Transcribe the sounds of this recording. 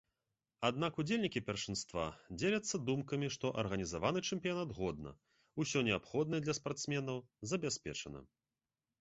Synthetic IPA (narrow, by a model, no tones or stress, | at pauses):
ad̪nakud͡zʲelʲnʲikʲipʲɛrʂɨnst̪va̰d͡zʲelʲɐt̪sːɐd̪umkɐmʲiʂt̪ɔʔɐ̰rɣɐnʲizavanɨt͡ʂɛmʲpʲijanat̪ɣɔd̪nɐ̰ | usʲɔnʲɛapxɔd̪nɐɛd̪lʲɐspart̪smʲɛnɐwzɐbʲasʲpʲɛ̰t͡ʂɐnɐ̰